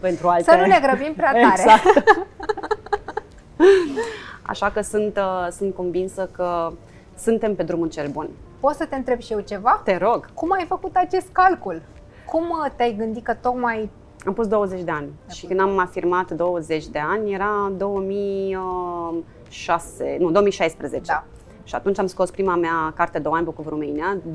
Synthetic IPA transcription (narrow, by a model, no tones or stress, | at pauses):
pe̞nt̪ɾualt̪sənune̞ɡɾəbimpɾeateaɾek | a̰ʃakəsunt̪əsunt̪̚konvinsəkə | sɨnt̪e̞mpe̞d̪ɾumult͡ʃe̞lbunpo̞t̪sət̪eɨnt̪ɾe̞bʃije̞wt͡ʃe̞vat̪e̞ɾo̞ɡkumajfəkut̪at͡ʃe̞st̪̚kalkul | kumt̪eajɡɨnd̪ikət̪o̞kmaj | ampust̪d̪owəze̞t͡ʃʲd̪e̞anʲʃikɨnd̪amafirmat̪d̪o̞wəze̞t͡ʃʲd̪e̞anʲje̞ɾad̪o̞wəmijə | ʃasenud̪oomijʃajspɾezet͡ʃe | ʃiat̪unt͡ʃamsko̞spɾimameakart̪ed̪oanʲbokuvɾumenia